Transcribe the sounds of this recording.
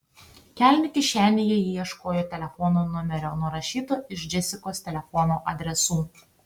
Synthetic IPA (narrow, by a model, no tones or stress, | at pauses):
kʲæˑlʲnʲɪkʲɪʃʲæːnʲɪjɛjiːiɛʃkoːjoːt̪ʲɛlʲɛfɔnoːnʊmʲɛɾʲoːnʊɾɐʃʲiːt̪oːɪʃd͡ʒʲɛsʲɪkoːst̪ʲɛlʲɛfɔnoːʔɐd̪ʲɾʲɛsuː